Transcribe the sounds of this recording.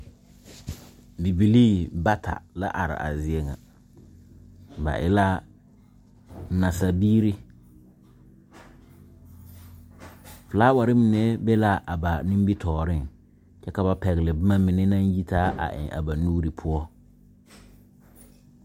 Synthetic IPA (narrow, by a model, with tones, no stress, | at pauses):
bi˨bi˨liː˦ba˦tʰa̰˨la˦ʔa˨ɾɪ̰˨ʔa̰˨zɪ˦ɛ˦ŋa̰˨ | ba̰˨ʔɪ̰˦la˦˨ | na˨sa˨biː˦ɾi˦ | fɪ˨laː˦wa˨ɾɪ˦mɪ˨nɛ˦bɛ˦la˦ʔa˨ba˨nĩ˦m˦bi˦tʰɔː˨ɾɪ˦ŋ | t͡ʃɛ˦ka˨ba˨pɛ˨ɣɪ˨lɪ˨bɪ˦ma˦mɪ˨nɛ˦na˦nji˦taː˦ʔa̰˨ʔɪ̰˨a̰˨ba˨nuː˦ɾi˨pʰʊ˦ɔ˦